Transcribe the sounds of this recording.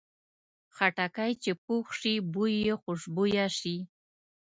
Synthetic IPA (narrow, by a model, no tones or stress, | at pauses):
χaʈakajt͡ʃepuχʂibujeχʊʂbujaʂi